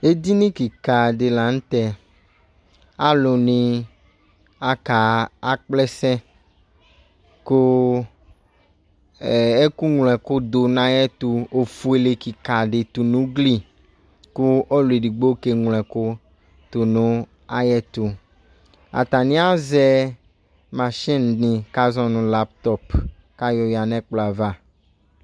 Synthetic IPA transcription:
e˦d̪i˦nĩ˦ki˨ka˨ɖe˨la˨ŋ̩̃˦t̪ɛ˦˨ | a˦lo˨nĩ˦ | a˦ka˨a˦k͡plɛ˦sɛ̃˦ | ko˦˨ | e˦ku˦ŋlɛ˨ko˦d̪o˨nã˦jɛ˦t̪u˨o˨fu˦e˨le˨ki˨ka˨ɖe˨t̪u˨nũ˦ɡli˦ | ku˦o˦lu˨e˨ɖi˨ɡ͡bo˦ke˦ŋl̃ɛ̃˨ko˦ | t̪o˨nũ˦ | a˦jɛ˦t̪u˨ | a̰˨t̪a˨nĩ˦a˦zɛ˦ | mã˨ʃĩ˦nnĩ˨ka˦zɔ̃˦nũ˨la˦p̚t̪ɔ˦p | ka˦jɔ˦ja˨nɛ̃˦k͡plɔ˨a˨va˦

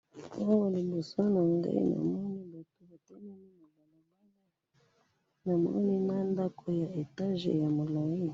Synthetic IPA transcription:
a˦ŋo˨li˨mbu˨so˦na˨ŋɡa̰˦ḭ˦na̰˨m˦o˦ni˦ba˨to˨˦ba˨te˦mi˦ni˦na˨la˨na˨ma˦n˦ | na˨mo̰˦ni˦ma˦nda˦kʰo˦ja˨e˨ta˦ʒḛ˨ja˨mu˨la˨wi˦˨

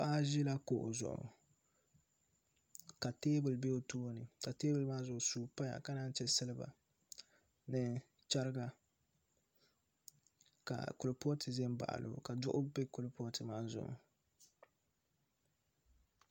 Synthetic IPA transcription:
paː˦ʒi˦la˦ko˨ʔʊ̰˨zʊ̰˨ʔʊ̰˨ | ka˨teː˦bɨ˨lbe˦o˦toː˦nɨ˨ka˨teː˦bɨ˨lmaː˦zʊ˨ʊ˨suː˦˨pa˦ja̰˨ka˦daː˦n˦t͡ʃɛ˦sɨ˦lɨ˦ba̰˨ | nɨ˦ | t͡ʃa˦ɾɨ˦ɡa˦ | ka̰˨kʊ˨lo˨pɔ˦tʰɨ˨zɛ˦mba̰˨ʔa̰˨lɨ̰˨ka˨dʊ˦ʔʊ˦be˦kʊ˦lpɔ˦tɨ˨maː˦zʊ̰˨ʔʊ̰˨

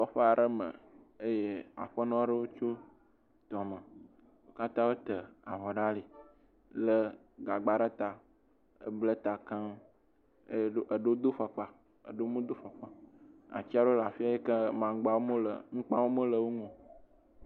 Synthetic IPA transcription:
fɔ˨ɸə˦a˨ɖə˦mə̰˨ | ə˦je˦a̰˨ɸə˦nɔ̃˦ɖə˦wo˦t͡ʃo˦ | t̪ɔ˨mə˨ | wo˦ka˦t̪ã˦wo˦t̪ə˨a˨vɔ˨ɖa˦li˨ | lə˦ | ɡa˨ɡ͡ba˨ɖə˦t̪a˨ | ə̰˦blə˦t̪a˨kã˦ | ʔə˨ɖo˦d̪o˦ɸa˨k͡pa˦ | ə̰˨ɖo˦mũ˦d̪o˦fa˨k͡pa˨a̰˨t͡ɕi˦a˦ɖo˦la˨fi˦a˦je˦kə˦mã˨˦ɡ͡ba˨wo˦mə˦lə̰˨ŋ̩̃˦k͡pã˦wo˦mə˦lə˨wo˦ŋɔ̃˨

